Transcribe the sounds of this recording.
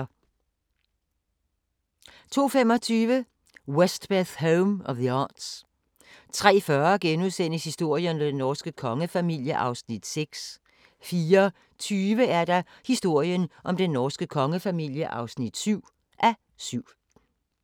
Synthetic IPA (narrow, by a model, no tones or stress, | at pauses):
t͡sʰo̝̰ːfemɒ̽t͡sʰyːʋə | wesd̥b̥æθɦoʊmɒʋðiɑ̰ːd̥s | t͡sʰʁɛ̰ːfɶɐɡ̥enuðˠsen̰əshisd̥o̝ɐ̰jənd̥enɒːsɡ̥əkʰɒ̽ŋəfæmil̰jəʔɑ̈ʊsnid̥seɡ̥s | fiːɐ | t͡sʰyːʋəæɐd̥ɑ̈hisd̥o̝ɐ̰jənʔɒ̽md̥enːɒːsɡ̥əkʰɒ̽ŋəfæmil̰jəʔɑ̈ʊsnid̥syʊ̰ | ʔæ | syʊ̰